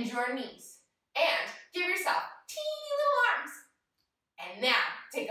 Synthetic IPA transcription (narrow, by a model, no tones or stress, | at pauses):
nd͡ʒɔɪmĩz̥ | ɨ̃nhiɹjə˞sɛ̰lˠftʰiloɑɹmz̥ | ʔɨ̃nːaʊtʰeɪk